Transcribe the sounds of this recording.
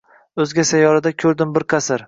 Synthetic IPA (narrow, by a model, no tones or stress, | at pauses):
ɵzɡʲasajɒɾad̪akʲʰɵɾd̪ɪmbɪɾqʰɑsɪɾ